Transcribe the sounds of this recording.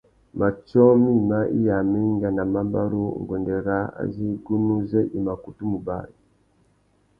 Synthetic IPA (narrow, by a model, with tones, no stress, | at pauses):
ma˨t͡ʃɔ˦mi˦ma˦ʔḭ˦ja˨mi˦ŋɡa˨na˨ma˦mba˦ɾu˦˨ŋ˨ɡɔ˨ndɛ˨ɾa˨˦a̰˨zi˦ɡu˦nu˦zɛ˦ʔi˨ma˨ku˨tu˦mu˨ba̰˦˨ɾi˨